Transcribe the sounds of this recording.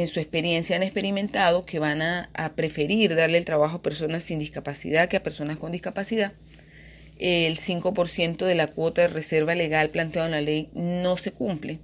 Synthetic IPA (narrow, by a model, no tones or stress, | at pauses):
ensue̞spe̞ɾje̞nsjaanespe̞ɾimẽ̞nt̪að̞o̞ke̞βanaːpɾe̞fe̞ɾiɾðaɾleːlt̪ɾaβaxo̞ape̞ɾso̞nasːind̪iskapasḭð̞akeape̞ɾso̞nasko̞nd̪ihkapasiða | elsiŋko̞po̞ɾsje̞nt̪o̞ðe̞lakwo̞t̪aðerese̞ɾβale̞ɣalplant̪jaðenlale̞jno̞se̞kumple